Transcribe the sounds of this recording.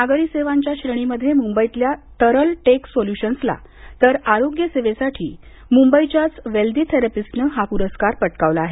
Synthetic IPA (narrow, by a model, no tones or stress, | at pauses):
naɡəɾiseʋaɲt͡ɕjaɕɾəɳ̃iməd̪ʱːjemumbəit̪ljat̪əɾəlʈeksoljuɕənsla̰ | t̪əɾaɾoɡjəseʋesaʈʰḭː | mumbəit͡ɕjat͡sʋeld̪it̪ʰeɾəpisnəɦapuɾəskaɾpəʈkaʋlaːɦe